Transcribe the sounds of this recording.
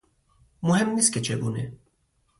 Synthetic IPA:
mʊɦemnisket͡ʃʰeɡuːnḛ

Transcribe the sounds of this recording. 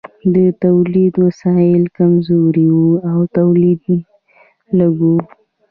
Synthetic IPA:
d̪ət̪awlid̪wasɑjɪlkamzoɾiwuawt̪awlid̪ | laɡu

